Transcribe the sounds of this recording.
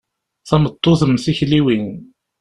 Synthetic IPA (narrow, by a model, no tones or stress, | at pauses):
θɑmət̪ˤːoðəmθiçliwin